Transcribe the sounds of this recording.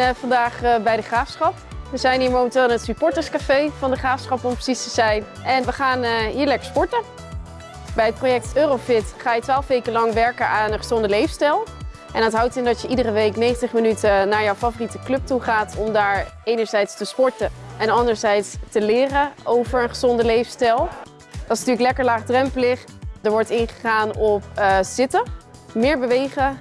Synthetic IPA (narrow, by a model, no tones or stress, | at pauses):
fɑndaːχbɛjdəχraːfsχɑpʋəzɛjnɦiːɹmowməntɪːlˠnətsypɔɹtəskafejvɑndəχaːfsχɑpɔmpə̥sistəz̥ɛjn | ɛnʋəχaːnɦiːɹlɛkə̥ɹspɔɹtə | bɛjət̚projɛk̚tøːrowfɪtχaːjətʋaːlˠfʋejkəlɑŋʋɛɹkəʔaːnəχə̥zɔndəlejfstɛlˠ | ʔɛnətɦʌwtɪndɑtjəʔidərəʋejknejχəntəχmənytənaːɹjɔwfavoritəklɵp̚tuχaːtɔmdaːɹejnəɹzɛjtstəspɔɹtəɛnɑndəɹzɛjtstəlɪːrəowvəɹənχəzɔndəlejfstɛlˠ | d̥ɑtɪsnatyːləklɛkəɹlaːχdrɛmplɪχ | dəɹʋɔɹtɪnχə̥χaːnɔp̚z̥ɪtə | mɪːɹbəʋejχə